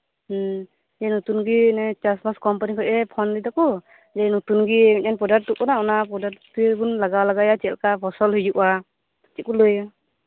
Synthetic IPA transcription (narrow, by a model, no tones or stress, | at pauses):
zɛnɔt̪unɡinɛt͡ʃasbaskɔmpanikʰɔʔɛpʰɔnditakɔ | zɛnɔt̪unɡimiɲanpɔdatːukɔnaɔnapɔdatubunlaɡalaɡajat͡ʃɛlkapʰɔsɔlɦujd͡ʒuʔwa | t͡ʃik̚ulɯj